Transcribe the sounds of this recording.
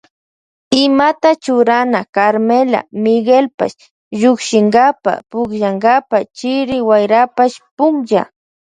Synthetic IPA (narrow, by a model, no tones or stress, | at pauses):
ɪmat̪at͡ʃʊɾanakaɾmela̰mɪɡelpa̰ʃ | ʒʊkʃɪŋɡapa̰pʊkʒaŋɡapat͡ʃɪɾɪwajɾapaʃpʊŋʒa̰